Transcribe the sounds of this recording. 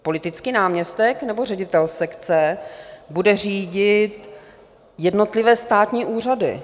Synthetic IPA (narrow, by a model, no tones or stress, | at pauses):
po̞lɪt̪ɪt͡skiːnaːmɲɛst̪ɛknɛbo̞rɛɟɪt̪ɛlsɛkt͡sɛbudɛriːɟɪt̪ | jɛdno̞t̪lɪvɛːst̪aːt̪ɲiːʔuːr̝adɪ̰